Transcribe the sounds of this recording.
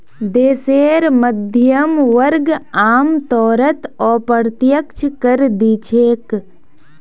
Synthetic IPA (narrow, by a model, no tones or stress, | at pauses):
d̪eːseːɾməd̪ʱjəmʋəɾɡaːmt̪ɔːɾət̪ɔːpəɾt̪jəkt͡ʃʰkəɾd̪iːt͡ʃʰeːk